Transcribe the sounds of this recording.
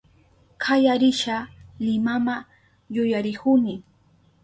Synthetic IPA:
kʰajaɾɪʃalɪmama | jʊjaɾɪkʊmɪ

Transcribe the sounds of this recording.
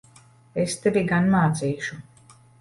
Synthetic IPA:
est̪eviɡanmaːt̪siːʃu

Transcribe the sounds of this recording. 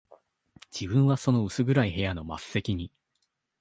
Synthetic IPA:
d͡ʑ̥ibɯ̟̃ɰ̃βaso̞no̞ɯ̟sɨɡɯ̟ɾaihe̞jano̞ma̰sɨ̥se̞kʲiɲ̟i

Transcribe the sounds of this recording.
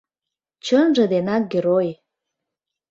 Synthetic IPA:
t͡ɕənʒə̆d̪enɑk̚ɡʲeɾoj

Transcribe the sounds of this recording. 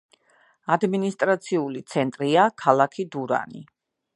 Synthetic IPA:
ad̪minist̪ʼɾat̪sʰiulit̪sʰɛnt̪ʼɾiakʰalˠakʰid̪uɾa̰ni

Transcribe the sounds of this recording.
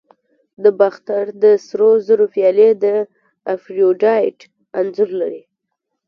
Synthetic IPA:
d̪əbaxt̪aɾd̪əsɾozəɾofijɑled̪ə | afɾioɖɑjʈ | anzʊɾlaɾi

